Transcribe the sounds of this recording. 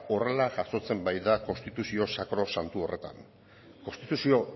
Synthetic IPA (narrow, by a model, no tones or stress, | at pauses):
o̞re̞laʝaso̞t͡se̞mbajðako̞st̪it̪usio̞sakɾo̞sant̪uo̞re̞t̪a̰n | ko̞st̪it̪usio̞